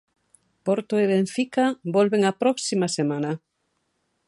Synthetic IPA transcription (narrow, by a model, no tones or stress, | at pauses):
poɾt̪oeβeɱfikabɔlβeŋapɾɔksimasemana